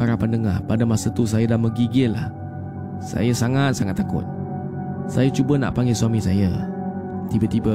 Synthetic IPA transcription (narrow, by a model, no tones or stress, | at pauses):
aɾapandəŋahpadəmasət̪us̬ajədaməɡiɡɪlah | sa̰jəsaŋat̪̚saŋat̪ːakʊ̰t̪̚ | sajət͡ʃubəna̰ʔpaŋɡeswamisajə | t̪ibət̪ibə